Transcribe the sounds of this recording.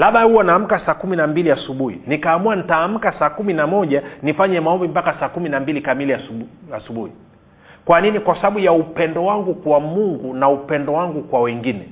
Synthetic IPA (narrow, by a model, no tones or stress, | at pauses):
laɓahuwanaːm̩kasaːkuminambiliasuɓuhḭnikaːmuanitaːm̩kasaːkuminamɔʄanifaɲɛmaɔmbimbakasaːkuminambilikamiliaasuɓuhi | kwaninikwasaɓaɓujaupɛndɔwaŋɡukwamuŋɡunaupɛndɔwaŋɡukwawɛŋɡinɛ